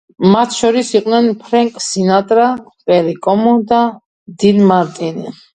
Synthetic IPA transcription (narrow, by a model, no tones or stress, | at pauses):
mat̪ʰʃɔɾisiqʼnɛnpʰɾɛŋkʼsinat̪ʼɾapʼɛɾikʼɔmɔd̪a | d̪id̪maɾt̪ʼini